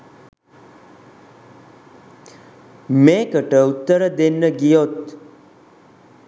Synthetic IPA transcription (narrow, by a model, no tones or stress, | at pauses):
mekəʈəut̪ːəɾəd̪enːəɡijot̪